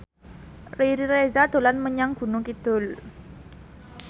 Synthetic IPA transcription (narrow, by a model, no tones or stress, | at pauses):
riɾiɾezad̪̥o̤lanməɲaŋɡ̥ṳnʊkid̪̥ʊ̤l